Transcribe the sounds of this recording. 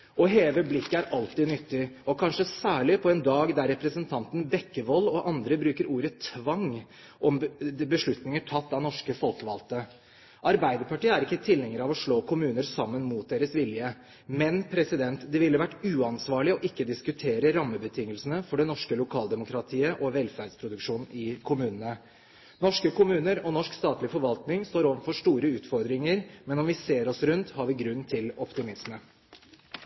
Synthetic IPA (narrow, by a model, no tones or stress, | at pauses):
ʔɔɦeːʋəblɪkːəæɾʔɑlt̪iːnʏt̪ːɪɔkʰɑnʂəsæːɭɪpʰɔɛnd̪ɑːɡd̪æɾɛpɾəsənt̪ʰɑnt̪ən̩bɛkːəʋɔlːɔʔɑnd̪ɾəbɾʉːkəɾʔuːɾət̪ʰʋɑŋ | ʔɔmbəʂɭʉt̪nɪŋəʈʰɑt̪ːɑnɔʂkəfɔlkəʋɑlt̪ə | ʔɑɾbæɪd̪əɾpʰɑʈiːəæɾɪkːət̪ʰɪlhɛŋːəɾɑʋɔʂɭoːkʰʊmʉːnəɾsɑmːənmut̪̚d̪eːɾəsʋɪljə | mɛnpʰɾɛsɪd̪ɛnt̪d̪ɛʋɪlːəʋæʈːʉːɑnsʋɑːɭɪɔʔɪkːəd̪ɪskʉt̪ʰeːɾəɾɑmːəbət̪ʰɪŋːəlsənəfɔɖɛnɔʂkəlʊkʰɑːld̪ɛmʊkɾɑt̪ʰiːəʔɔʋɛlfæɾɖspʰɾʊd̪ʉkʂuːnɪkʰʊmʉːnənə | nɔʂkəkʰʊmʉːnəɾɔnɔʂkst̪ɑːt̪lɪfɔɾʋɑlt̪nɪŋst̪oːɾoːʋəfɔʂʈuːɾəʉːt̪fɔɾd̪ɾɪŋəɾmɛnɔmʋɪseːɾɔsɾʉnt̪hɑɾʋɪɡɾʉnːt̪ʰɪlɔpt̪ɪmɪsmə